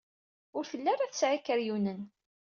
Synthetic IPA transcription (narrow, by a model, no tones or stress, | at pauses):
ʊɾθəlːæɾæθəsʕikːəɾjunən